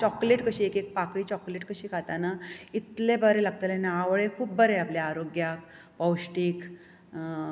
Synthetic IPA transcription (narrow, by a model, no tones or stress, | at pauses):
t͡ɕɔkleʈkəɕiːekek̚pakɽiːt͡ɕɔkleʈkəɕiːkʰat̪anait̪lebəɾelaɡ̚t̪alenaaʋɭekʰuːp̚bəɾeapljaaɾoɡjak | pɔwɕʈiːk